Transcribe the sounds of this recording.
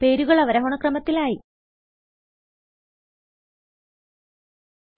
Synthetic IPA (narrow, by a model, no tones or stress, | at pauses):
pe̞ːɾuɣɐɭɐʋɐɾɐɦuɳɐkrɐmɐt̪ːilaːji